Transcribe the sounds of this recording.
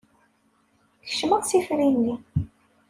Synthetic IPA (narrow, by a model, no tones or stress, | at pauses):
θə̥ʃməʁsifɾinːi